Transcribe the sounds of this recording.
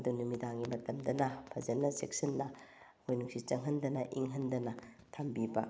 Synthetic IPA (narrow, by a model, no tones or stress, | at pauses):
ɐdunumidaŋɡimɐtɐmdɐnɐpʰɐzɐnːɐsek̚sɐnːɐ | hojnuksit͡ʃɐŋɦɐndɐnɐʔiŋɦɐndɐnɐ | tʰambibɐ̰